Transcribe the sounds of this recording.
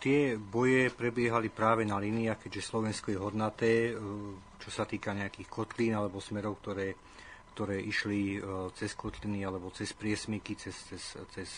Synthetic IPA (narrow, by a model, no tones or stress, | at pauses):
t̪ɪɛbɔjɛpɾɛbɪɛɦalipɾaːʋɛnaliːniaxkɛɟʒɛslɔʋɛnskɔjɛɦɔd̪nat̪ɛː | t͡ʃɔsat̪iːkaɲɛakiːxkɔt̪liːnalɛbɔsmɛɾɔʊk̚t̪ɔɾɛː | kt̪ɔɾɛːʔiʃlit͡sɛskɔt̪linialɛbɔt͡sɛspɾɪɛsmikit͡sɛst͡sɛst͡sɛs